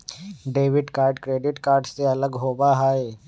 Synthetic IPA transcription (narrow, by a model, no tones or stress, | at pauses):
ɖeːʋɪɖkaːɾɖkɾeːɖɪʈkaːɾɖseɐləɡɦoːbaɦaːeː